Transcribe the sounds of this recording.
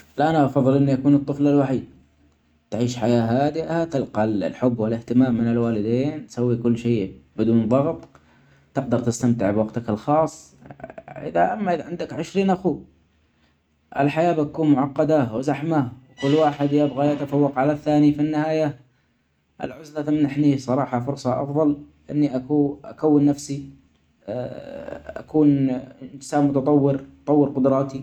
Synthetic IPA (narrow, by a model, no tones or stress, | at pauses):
lʔanaʔɑfɑðˤːɨlʔɪnːijakuːnɨt̪ˤːɨflalwaħiːd̪̚ | t̪ʕiːʃħajaːɦaːd̪ɪʔahat̪ɪlqɑllħʊbːwɪlɪht̪ɪmaːmːɪnɪlwaːlɪd̪eːnt̪sawːikʊlːʃeːbɪd̪uːnðˤɑɣt̪ˤ | t̪ɪq̚d̪ɑɾˤt̪ɪst̪amt̪ɪʕbwɑɡt̪akɪlxɑːsˤː | ʔɪ̰ðaʔamːaʔɪʕɪnd̪akʕɪʃɾiːnʔaxu | ʔɪlħajaːbɪakuːnmʊʕɑqːɑd̪awɪzaħmawkʊlːwaːħɪd̪jabɣajat̪afawːɑqʕalaθːaːnifinːɪhaːja | ʔɪ̰lʕʊzlat̪amnaħnisˤɑɾˤɑːħɑfʊɾsˤɑʔɑ̰fðˤɑl | ʔɪnːiʔakuʔakawːɪnːafsi | ʔa̰kuːnɪnsaːnmʊt̪ɑt̪ˤɑwːɪɾt̪ˤɑwːɪɾqʊd̪ɾˤɑːt̪i